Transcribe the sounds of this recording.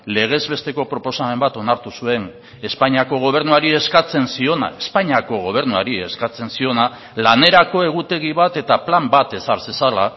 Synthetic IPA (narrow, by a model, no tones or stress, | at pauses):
le̞ɣ̞e̞zβe̞st̪e̞ko̞pɾo̞po̞same̞mbat̪o̞naɾt̪usue̞n | e̞spaɲiako̞ɣ̞o̞β̞e̞ɾnuaɾieskat͡se̞nsio̞na̰espaɲiako̞ɣ̞o̞β̞e̞ɾnua̰ɾie̞skat͡se̞nsio̞na | lane̞ɾako̞e̞ɣ̞ut̪e̞ɣ̞iβat̪e̞t̪aplambat̪e̞saɾsesala